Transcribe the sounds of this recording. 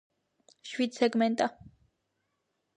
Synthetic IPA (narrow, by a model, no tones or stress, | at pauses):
ʃwid̪sɛɡmɛnt̪ʼa